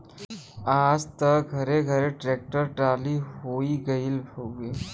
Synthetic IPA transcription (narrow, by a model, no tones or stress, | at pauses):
aːd͡zt̪əɡʱəɾeɡʱəɾeʈɾek̚ʈəɾʈaliɦoiɡəilbʱoɡi